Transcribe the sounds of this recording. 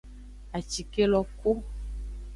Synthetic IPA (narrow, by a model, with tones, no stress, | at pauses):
a˨t͡ʃi˨ke˦lɔ˦ko˦